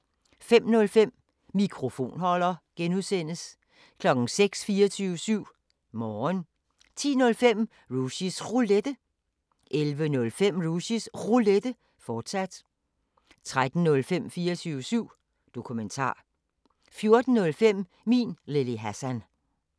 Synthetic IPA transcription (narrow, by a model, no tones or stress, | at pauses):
fem̰nɔ̽lfem̰ | mikʰʁo̝fo̝̰ːnhɒ̽l̰ɐɡ̥enuðˠsen̰əs | kʰlɒ̽ɡ̥n̩seɡ̥sfiːɐt͡sʰyːʊəsyʊ̰ | mɒːn | t͡sʰḭːnɔ̽lfem̰ | ʁuɕisʁuled̥ə | ʔelʋənɔ̽lfem̰ʁuɕisʁuled̥ə | fɒːd̥sæd̥ | t͡sʰʁad̥n̩nɔ̽lfem̰fiːɐt͡sʰyːʊəsyʊ̰ | d̥o̝kʰument͡sʰɑ̰̈ː | fjo̝ɐd̥n̩nɔ̽lfem̰ | mḭːnle̝liɦæsæn